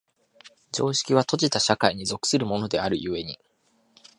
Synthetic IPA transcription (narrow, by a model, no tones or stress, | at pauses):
d͡ʑo̞ːɕi̥kʲiβ̞at̪o̞ʑit̪aɕakaiɲ̟izo̞kɯ̥sɨɾɯ̟mo̞no̞d̪e̞aɾɯ̟jɯ̟βe̞ɲ̟ḭ